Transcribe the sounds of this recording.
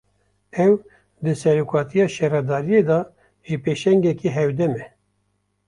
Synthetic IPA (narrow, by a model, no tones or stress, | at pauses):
ɛw | d̪ɨsɛɾukʰɑːt̪ʰijɑːʃɛɾɑd̪ɑːɾijeːd̪ɑ | epeːʃɛŋɡɛkiːɦɛwd̪ɛmɛ